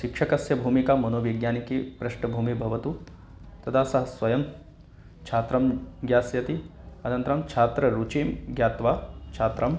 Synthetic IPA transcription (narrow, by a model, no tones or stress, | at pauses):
ʃikʂɐkɐsjɐbʱuːmikaːmɐnoːʋiɡjaːnikipɾɐʃɳɐbʱuːmibʱɐʋɐt̪u | t̪ɐt̪ʰaːsɐɦɐsʋɐjɐm | t͡ʃʰaːt̪ɾɐmɡjaːsjɐt̪iɐnɐnt̪ɾɐmt͡ʃʰaːt̪ɾɐɾut͡ʃiːmɡjaːt̪ʋaːt͡ʃʰaːt̪ɾɐm